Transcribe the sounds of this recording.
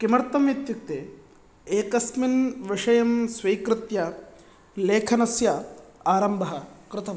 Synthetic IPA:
kimɐɾt̪ɐmʋɐt̪juk̚t̪e | eːkɐsminʋɪʂɐjɐmsʋɐjkɾɪt̪jɐ | leːkʰɐnɐsjɐaːɾɐmbʱɐɦɐ̆kɾɪt̪ɐm

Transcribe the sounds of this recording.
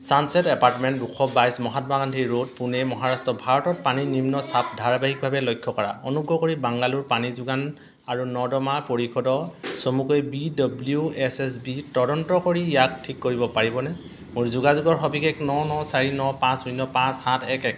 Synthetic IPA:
sansɛtɛpaɹtmɛntbukʰɔbajsmɔɦatmakantʰiɹod̚punɛmɔɦaɹastɔbʱaɹɔtɔt̚paninimnɔsapʰdʱaɹbaɦik̚bʱabɛlɔjkʰːɔkɔɹa̰ɔnuɡɹɔkoɹibaŋɡaluɹpanizuɡan | aɹunɔdɔmapoɹikʰɔdɔsomukɔjbidɔbljuɛsɛs̬bitɔdɔntɔkoɹijak̚tʰikːoɹibɔpaɹibɔnɛ | muɹzuɡazuɡɔɹxɔbikʰɛknɔnɔsaɹinɔpãsmunːɔpãshatʰɛkɛk

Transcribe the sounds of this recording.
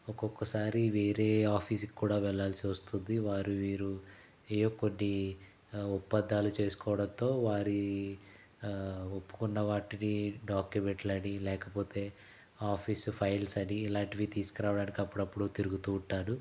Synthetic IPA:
ɔkɔkːɐsaːɾiʋe̞ːɾe̞ːaːpʰiːs̬ki̥kːuːɽaːʋɛɭːaːlsiʋɐst̪und̪iʋaːɾiʋiːɾu | eːjokːonːi | upːɐd̪ːaːlut͡ʃe̞ːsu̥kɔːʋɐɽɐnt̪o̞ːʋaːɾi | opːu̥kunːɐʋaːʈiɽiɖaːkjumeɳʈlɐɽilɛːkɐpo̞ːt̪e̞ː | aːpʰiːspʰɐjlsɐɽiːlaːɳʈiʋit̪iːskɾaːʋɐɽaːnikɐpːuɽɐpːuɽut̪iɾuɡut̪uːuɳʈːaːɾu

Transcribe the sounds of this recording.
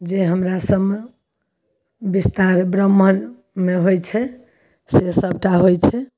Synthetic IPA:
d͡ʒeɦəmɾasəb | bist̪aɾbɾəmːən | meɦojt͡ʃʰɛ | sesəb̚ʱʈaɦojt͡ʃʰɛ

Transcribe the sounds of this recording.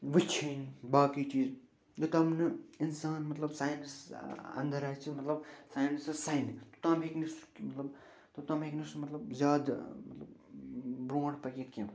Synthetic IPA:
ʋɨt͡ʃʰinbaːkit͡ʃiːz | jɐt̪ɐmnɨinsaːnmɐt̪lɐbsaːjnsɐ̰nd̪ɐɾajt͡ʃʰimɐt̪lɐbsaːjnssajnt̪u̥t̪ãːmɦekniskmɐt̪lɐb | t̪ut̪ãːmʱeknismɐt̪lɐbzʲjaːd̪mɐt̪lɐb | bɾoːɽpɐkekkẽm

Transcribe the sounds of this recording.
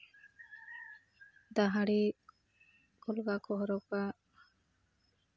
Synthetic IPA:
d̪aɦaɽi | kɔlɡakɔɦɔɾɔka

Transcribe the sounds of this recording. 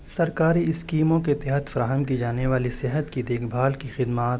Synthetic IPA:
sɐɾkaːɾiɪskiːmõket̪ɪɦət̪fɐɾaːɦəmkid͡ʒaːneʋaːlisɪɦət̪kid̪eːkʰbʱaːlkixɪd̪maːt̪

